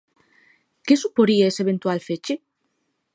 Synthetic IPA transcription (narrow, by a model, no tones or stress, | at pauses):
kesupoɾiaeseβent̪walfet͡ʃe